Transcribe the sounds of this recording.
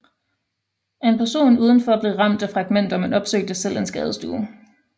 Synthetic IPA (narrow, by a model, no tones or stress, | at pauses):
ʔenpʰæɐso̝̰ːnuːð̞ˠən̩fɒ̽b̥le̝ʁɑ̈m̰d̥æfʁɑ̈ɡ̥men̰d̥ɐmenɒ̽b̥sø̰ɡ̥̚d̥əsel̰ʔe̝nsɡ̥ɛːð̞ˠsd̥ṵː